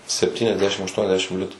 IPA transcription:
sʲɛpʲtʲiːnʲɛzʲˈdʲæːʃʲɪm ɐʃtuɔnʲɛzʲˈdʲæːʃʲɪm ˈlʲɪtʊ

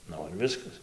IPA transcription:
ˈnʊ ɪr ˈʋʲɪskɐs

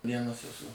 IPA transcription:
ˈʋʲiɛnɐs ɛˈsʊ

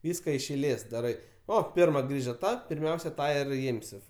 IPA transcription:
ˈʋʲiːskɐ ɪʃ ɛɪˈlʲeːs dɐˈrɐɪ ˈoː ˈpʲɪrmɐ ˈɡrʲiːʒɐ ˈtɐ pʲɪrʲˈmʲɛʊsʲɛ ˈtɑː ɪr ˈɪmʲsʲɪ

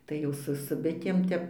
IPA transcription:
tɐɪ ˈjɛʊ sʊ sʊ ˈbʲɪtʲeːm ˈtʲɛp

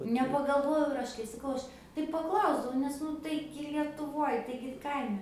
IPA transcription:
nʲɛpɐɡɐlˠˈʋoːjɛʊ ɪr ˈɐʃ kɐɪ sɐˈkɐʊ ˈɐʃ tɐɪ pɐˈklˠɐʊzdɐʋɐʊ nʲɛs ˈnʊ ˈtɐɪɡʲɪ lʲiɛtʊˈʋoːj ˈtɐɪɡʲɪ ˈkɐɪmʲɛ

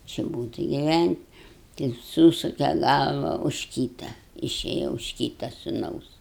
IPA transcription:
t͡ʃʲɪ ˈbuːtʲ ɪ ɡʲɪˈʋʲænʲtʲ tɐɪ ˈsuːsʊkʲɛ ˈɡɐlˠʋɐ ʊʃ ˈkʲiːtɐ ɪˈʃʲeːjɛ ʊʃ ˈkʲiːtɐ sʊˈnɐʊs

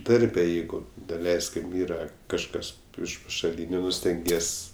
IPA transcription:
ˈdɐrʲbʲɛ ˈjɛɪɡʊ dɐˈlʲɛɪsʲkʲɪm ˈiːrɐ kɐʃˈkɐs ɪʃ pɐʃɐˈlʲiːnʲʊ ˈnʊ sʲtʲɛŋʲˈɡʲiɛsʲ

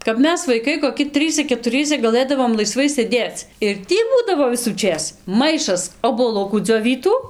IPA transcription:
kɐp ˈmʲɛs ʋɐɪˈkɐɪ koːˈkʲɪ ˈtrɨsʲɛ kʲɛtʊˈrʲiɛsɐ ɡɐˈlˠɘdɐʋoːm lˠɐɪˈsʋɐɪ sʲeːˈdʲeːt͡s ɪr ˈtʲiː ˈbuːdɐʋoː ʋʲɪsuːˈt͡ʃʲeːs ˈmɐɪʃɐs oːbuɔˈlˠʊkuː d͡zʲoːˈʋʲiːtuː

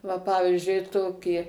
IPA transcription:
ʋɐ ˈpɑːʋʲɪzʲd͡ʒʲʊɪ ˈtoːkʲiː

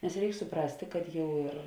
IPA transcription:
nʲɛs ˈrʲɛɪk sʊˈprɑːsʲtʲeː kɐt ˈjɛʊ ɪr

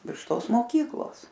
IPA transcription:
ʋʲɪrʃ ˈtoːs moːˈkʲiːklˠoːs

